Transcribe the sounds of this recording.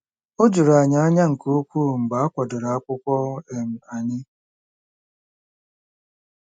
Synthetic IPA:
o˦d͡ʒʊ˨ɾa˨ɲa˨a˦ɲa˦ŋ̩˨ko˦kʷuː˦˨m̩˨ɡ͡ba˨a˦kʷɔ˨dʊ˨ɾa˨a˦kʷʊ˦kʷɔ˦e˨m̩˨a˨ɲɪ˦

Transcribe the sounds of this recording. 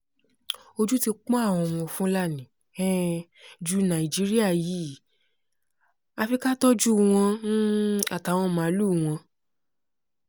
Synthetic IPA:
o˧d͡ʒu˦ti˧k͡pɔ̃˦a˦˨w̃ɔ̃˧˨w̃ɔ̃˧fũ˦la˦˨nĩ˨ | ɛ˦ | d͡ʒu˦nã˨i˨d͡ʒi˦ɾi˦a˦˨ji˨˦˨ | a˧fi˧ka˦tɔ˦d͡ʒu˦˧w̃ɔ̃˧ñ̩˦a˨ta˨w̃ɔ̃˧mã˨˦lu˦˨w̃ɔ̃˧

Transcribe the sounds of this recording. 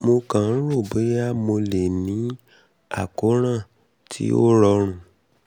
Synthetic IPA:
mo˧kã˨n̩˦ɾo˦˨be˨˦a˦mo˧le˨nĩ˨˦ | a̰˦˨ko˨˦ɾ̃ã˦˨ | tʰḭ˦o̰˦ɾɔ˧ɾ̃ũ˧˨

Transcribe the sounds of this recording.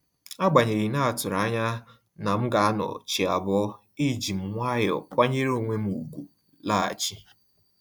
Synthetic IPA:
a˦ɡ͡ba˨ɲe˨ɾi˨na˦a˨tʊ˨ɾa˨˦ɲa˦ | na˨m̩˦ɡa˨a˦nɔ̰˨t͡ʃi˨a˨bɔ˦ | i˦˨d͡ʒi˨m̩˨ŋʷa˦jɔ̰˨kʷa˦ɲe˦ɾo˦˨ŋʷe˦m̩˦u˨ɡu˨ | la˦a̰˨t͡ʃi˦

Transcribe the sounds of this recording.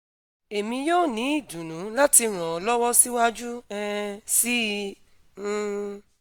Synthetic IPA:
e˨mĩ˧joː˦˨nĩ˨˦i˦˨dũ˨nũ˨˦la˦ti˧ɾ̃ã˨ɔ˨˦lɔ˦wɔ˦si˦wa˦d͡ʒu˦ɛ˦˧si˦˧

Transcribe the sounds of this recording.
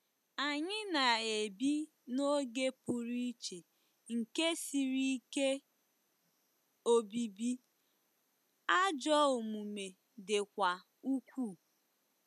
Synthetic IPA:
a˨ɲɪ˦na˨e˨bi˦ | no˦ɡe˦pʊ˨ɾi˦t͡ʃe˨ | ŋ̩˨ke˦si˨ɾi˦ke˦ | o˦bi˨bi˦ | a˦d͡ʒɔ˦o˨mu˨me˨ | de˨kʷa˨ | u˦kʷu˦˨

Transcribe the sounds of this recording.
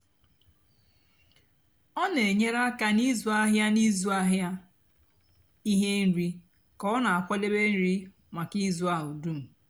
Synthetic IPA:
ɔ˦ne˨ɲe˦ɾa˦ka˦ni˦zu˨˦a˦ɦja˦ni˦zu˦a˦ɦja˦ | i˦ɦe˦n̩˦ɾi˦ | kɔ˦na˨a˨kʷɔ˦le˦be˦n̩˦ɾi˦ | ma˨ki˦zu˦a˦ɦʊ˨du˦m̩˨

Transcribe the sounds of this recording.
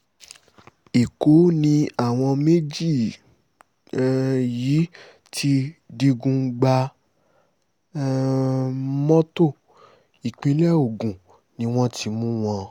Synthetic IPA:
i˨ko˨˦nĩ˧a˦˨w̃ɔ̃˧me˦d͡ʒi˦˨˧ | jiː˨˦ | tʰi˧˦di˧ɡũ˧˦ɡ͡ba˧˦ | mɔ̃˦to˦˨ | i˨k͡pĩ˨˦lɛ˦o˨ɡũ˨ | nĩ˧˦w̃ɔ̃˦tʰi˧mũ˦w̃ɔ̃˧

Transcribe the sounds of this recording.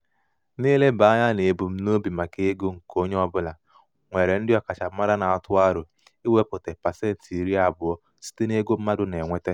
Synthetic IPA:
niː˦le˦ba˨˦ɲa˦ne˨bu˨m̩˦no˦bi˨ma˨ke˦ɡo˦ŋ̩˨ko˦ɲe˦ɔ˦bʊ˦la˨ | ŋʷe˨ɾe˨n̩˦dɪ˦ɔ˨ka˨t͡ʃa˨m̩˦ma˦ɾa˦na˨tʊ˦a˦ɾʊ˨ | i˦we˦pʊ˨te˨pa˨se˦n̩˨ti˨ɾi˦a˦˨bʊ˨ɔ˦ | si̥˦te˦ne˦ɡo˦m̩˦ma˦dʊ˦ne˨ŋʷe˦te˦

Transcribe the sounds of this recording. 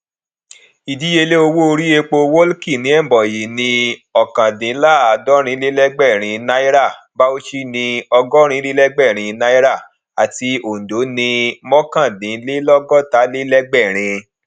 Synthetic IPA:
i˨di˨˦je˧le˦o˧wo˦o˧ɾi˦e˧k͡po˧wo˦lki˦˨nĩ˨˦ɛ˦˨bɔ˨ji˨nĩ˧ɔ˨kã˨dĩ˨˦la˦˨a˨dɔ˦ɾ̃ĩ˧˦le˦lɛ˦ɡ͡bɛ˦˨ɾ̃ĩ˧na˦i˦ɾa˦˨ | ba˦o˦ʃi˦nĩ˧ɔ˧ɡɔ˦ɾ̃ĩ˧˦le˦lɛ˦ɡ͡bɛ˦˨ɾ̃ĩ˧na˦i˦ɾa˦˨ | a˨ti˧o˨n̩˨do˨˦nĩ˧mɔ̃˦kã˦˨dĩ˨˦le˦lɔ˦ɡɔ˦ta˨˦le˦lɛ˦ɡ͡bɛ˦˨ɾ̃ĩ˧

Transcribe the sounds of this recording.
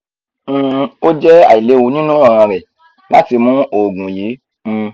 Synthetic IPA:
o˦d͡ʒɛ˦a̰˨i˨le˨˦wu˧˦nĩ˦nũ˦ɔ˦˨ɾ̃ã˧ɾɛ˨ | la˦ti˧mũ˦o˨ɡũ˨ji˨˦˧

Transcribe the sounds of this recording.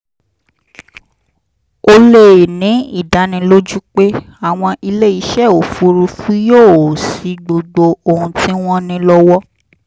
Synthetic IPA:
o˧le˦˨nĩ˨˦i˦˨da˨nĩ˧lo˦d͡ʒu˦k͡pe˦ | a˨w̃ɔ̃˧ʔi˧le˦i˨˦ʃɛ˦˨o˨fu˨˦ɾu˧fu˦joː˦˨si˨˦ɡ͡bo˧ɡ͡bo˧o˨hũ˧tĩ˦w̃ɔ̃˦nĩ˦lɔ˦wɔ˦

